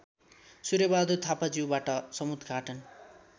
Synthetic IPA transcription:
suɾjebad̪ut̪ʰapad͡ziwbaʈʌsʌmud̪ʱɡʱaʈʌn

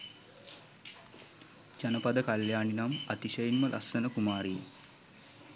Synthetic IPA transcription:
d͡ʒɐnɐpɐd̪əkɐljaːɳinamɐt̪iʃɐjinməlʔɐ̰sɐnəkumaːɾi

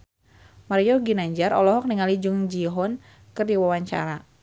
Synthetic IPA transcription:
maɾiɔɡinaɲd͡ʒaɾʔɔlɔɦɔk̚niŋalid͡ʒʊŋd͡ʒiɦɔn | kɨrdiwawaɲt͡ʃa̰ɾa

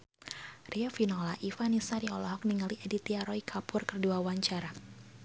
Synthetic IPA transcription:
riafinɔlaʔifanisaɾiɔlɔɦɔk̚niŋaliʔɛdit̪iaɾɔikʰapʊrkərduawaɲt͡ʃaɾa

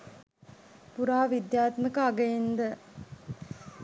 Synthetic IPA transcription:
puɾaːʋid̪jaːt̪məkəaɡəend̪ə

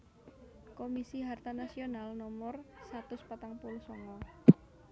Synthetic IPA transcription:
komisiɦart̪anasionalnɔmɔrsat̪ʊspat̪aŋpulʊhsɔŋɔ

